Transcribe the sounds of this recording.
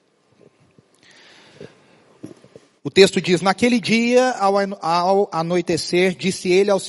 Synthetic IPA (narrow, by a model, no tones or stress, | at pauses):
ʊt̪est̪ʊd͡ʒiznakelɪd͡ʒiɐ | anojt̪eseɾd͡ʒisɪelɪaws